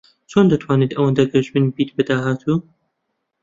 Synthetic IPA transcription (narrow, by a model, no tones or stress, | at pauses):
t͡ʃʰoːnd̪ɨt̪ʰwaːnet̪ʔɐwɐnd̪aɡɐʒmɨnbiːt̪̚bɨd̪aːɦaːt̪ʰuː